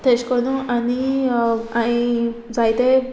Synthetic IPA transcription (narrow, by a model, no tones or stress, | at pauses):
t̪eɕkəɾnũani | aid͡zajt̪e